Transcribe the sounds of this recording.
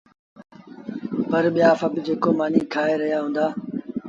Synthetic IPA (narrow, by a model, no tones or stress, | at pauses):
pəɾɓɪjaːfəbɪd͡ʑeːkoːmaːniːkʰaːeɾəɦijaːɦũːnd̪aː